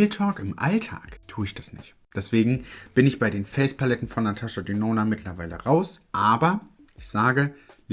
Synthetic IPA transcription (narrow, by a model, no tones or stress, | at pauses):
ltʰɔːkɪmʔa̰ltʰa̰ːktʰuːəɪçd̥asnɪ̰çt | d̥ɛsv̥eːɡŋ̩b̥ɪnɪçb̥aɪdeːnfɛlspalɛtn̩fɔnatʰaʃadynoːnamɪtʰlɐvaɪlə̰ʁaʊsʔaːbɐ | ʔɪçz̥aːɡəl